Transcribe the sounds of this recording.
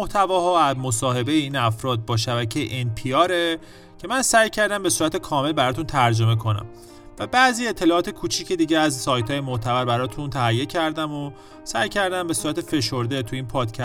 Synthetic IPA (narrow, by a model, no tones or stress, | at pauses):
oht̪ʰævɒːɦɒːæmo̞sɒːɦe̞be̞jeiːnæfɾɒːd̪̚bɒːʃæbæcʰejḛʔenpʰiɒːɾe̞ | cʰe̞mænsæjcʰæɾd̪æmbe̞suːɾæt̪ʰe̞kʰɒːme̞lbæɾɒːt̪unt̪ʰæɾd͡ʒo̞me̞kʰo̞næ̰m | væbæzie̞t̪ʰːe̞lɒːɒːt̪e̞kʰut͡ʃʰiːcʰed̪iːɟeæzsɒːjt̪ʰɒːjemoht̪ʰævæɾbæɾɒːt̪ʰunt̪ʰæɦæjːecʰæɾd̪æmo | sæ̰jcʰæɾd̪æmbe̞suːɾæt̪ʰe̞fe̞ʃo̞ɾd̪et̪ʰuiːnpʰɒːd̪̥cʰæ